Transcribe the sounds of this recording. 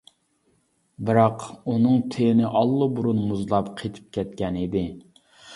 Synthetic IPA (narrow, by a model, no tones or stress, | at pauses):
bɨɾɑqunɨŋt̪ʰenɪʔɑlˠːɨbuɾunmuzlˠɑpqʰet̪ʰɪ̥p̚kʲʰɛt̪̚kʲɛnid̪ɪ